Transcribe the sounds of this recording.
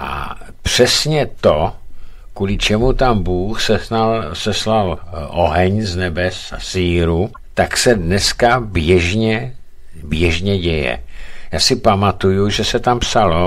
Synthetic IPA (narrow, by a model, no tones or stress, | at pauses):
ʔa̰ | pr̝̥ɛsɲɛt̪o | kuːlɪt͡ʃɛmut̪ambuːxsɛasɛslalʔoɦɛɲznɛbɛsa̰siːɾu | t̪aksɛdnɛskabjɛʒɲɛ | bjɛʒɲɛɟɛjɛ̰jaːsɪpamat̪ujuʒɛsɛt̪ampsalo